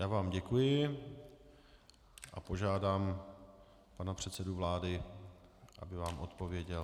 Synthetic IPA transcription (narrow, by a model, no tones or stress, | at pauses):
jaːvaːmɟɛkujɪ | ʔapo̞ʒaːdaːm | panapr̝̥ɛt̪sɛduvlaːdɪ | ʔa̰bɪvaːmʔo̞t̪po̞vjɛɟɛl